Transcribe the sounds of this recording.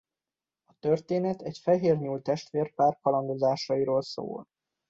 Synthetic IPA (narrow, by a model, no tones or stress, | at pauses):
ɒt̪ørt̪eːnɛt̪ɛcfɛɦeːrɲuːlt̪ɛʃt̪ʋeːrpaːrkɒlɒnd̪o̞zaːʃɒiɾoːlso̰ːl